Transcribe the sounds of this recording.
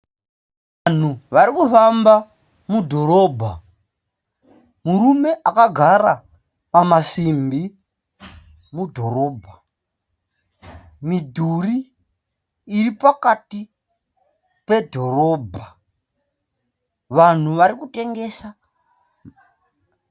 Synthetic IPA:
ʋan̤uʋaɾikufamba | mudʱo̞ɾo̞ːbʱa | muɾume̞ʔakaɡʱaɾa | pamasimbi | mudʱo̞ɾo̞ːbʱa | midʱuri | ripakati | pe̞dʱo̞ɾo̞ːbʱa | ʋan̤uʋaɾikute̞ŋɡe̞sa

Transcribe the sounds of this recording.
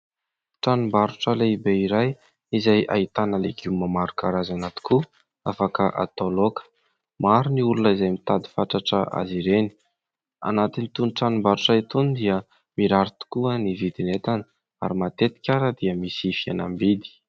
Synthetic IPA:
ʈ͡ʂanumbaɾuʈ͡ʂəleibeiɾaj | izaja̰it̪anəleɡiumːamaɾukaɾazanat̪i̥ku | afakəʔa̰t̪olokə̥ | maɾiniulunəizajmit̪ad̪i̥faʈ͡ʂaʈ͡ʂəʔa̰ziɾeni̥ | a̰nat̪init̪unʈ͡ʂanumbaɾuʈ͡ʂait̪unid̪iə | miɾaɾut̪u̥kuənivid̪inet̪anə | a̰ɾimat̪et̪i̥kʲaɾəd̪iəmisifianambid̪i̥

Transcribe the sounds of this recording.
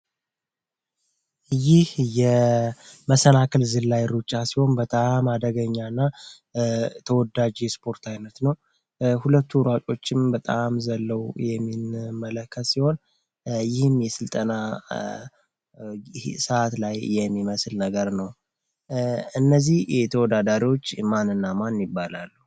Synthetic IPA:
jɪhjɛ | məsənakʰəlzɨlːajɾut͡ʃʼːasiho̞nbət̪ʼamad̪əɡəɲːanːa | t̪ʰəwɔd̪ad͡ʒispʰo̞ɾt̪ʰajnət̪nəw | hulət̪ʰːuɾat͡ʃʼo̞t͡ʃːɪmbət̪ʼamzəlːəwjɛmːinmːələkʰːət̪siho̞n | jɪhmjɛsɨlt̪ʼəna | səat̪lajːɛmːiməslnəɡəɾnəw | ɨnːəzːihjɛt̪ʰəwɔd̪ad̪aɾiwo̞t͡ʃːmanɨnːamanjɪbːala̰lːu

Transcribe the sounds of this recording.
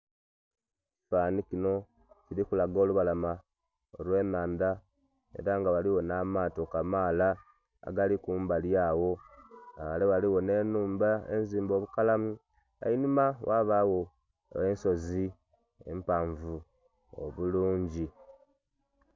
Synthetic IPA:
i̥faːnikino̞ | ciɾikulaɡo̞ːluβalama | olwe̞ːnaːnd̪a | e̞̰ɾaŋɡaβaliwo̞namaːto̞kamaːla̰ː | ɡalikuːmbaljawo̞aβaleβaliwo̞ne̞ːnuːmbaḛnziːmbo̞βukalamu | a̰inimawʔaβawo̞ | enso̞zi | ḛmpaɱvu | o̰βuluːɲɟi

